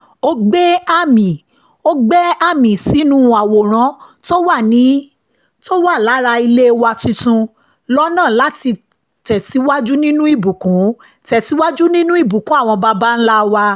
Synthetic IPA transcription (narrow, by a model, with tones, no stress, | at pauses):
o˦ɡ͡bɛ˦a˦˨mĩ˨ | o˦ɡ͡bɛ˦a˦˨mĩ˨si˨˦nũ˦˨a˨wo˨ɾ̃ã˨˦to˦wa˦˨nĩ˨˦ | to˦wa˦˨la˨˦ɾa˧i˧le˦wa˧tĩ˧tũ˧ | lɔ˦nãː˦˨la˨˦ti˧ | tɛ˨si˨˦wa˦d͡ʒu˦nĩ˦nũ˦i˦˨bu˨kũ˨˦ | tɛ˨si˨˦wa˦d͡ʒu˦nĩ˦nũ˦i˦˨bu˨kũ˨˦a˦˨w̃ɔ̃˧ba˧ba˦n̩˦la˦wa˧